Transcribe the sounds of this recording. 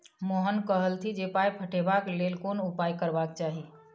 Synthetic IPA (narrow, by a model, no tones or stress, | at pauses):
moɦənkəɦəlt̪ʰid͡ʒepajpʰəʈʰebaklelkonupajkəɾbakt͡ʃaɦi